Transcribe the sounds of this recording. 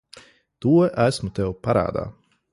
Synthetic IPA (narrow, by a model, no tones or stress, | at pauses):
t̪uɔʔæsmut̪ɛwpaɾa̰ːd̪a̰ː